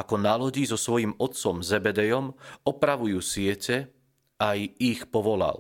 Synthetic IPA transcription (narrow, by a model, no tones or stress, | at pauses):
akɔnalɔɟizɔsʋɔjiːmɔt̪t͡sɔmzɛbɛd̪ɛjɔmɔpɾaʋujuːsɪɛcɛ | ajixpɔʋɔla̰l